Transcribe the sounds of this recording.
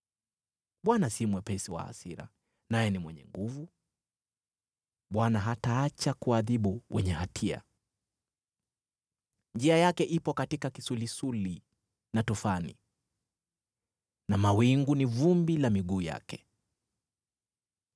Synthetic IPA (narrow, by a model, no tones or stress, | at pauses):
ɓwanasimwɛpɛsiwa̰a̰siɾa̰ | najɛnimwɛɲɛ̰ŋɡuvu | ɓwanaɦataat͡ʃakuaðiɓuwʔɛɲɛhatʰia̰ | ɲd͡ʒiajakɛʔipɔkatikakisulisuli | natufanḭ | namawiŋɡunivumbilamiɡuːja̰kɛ̥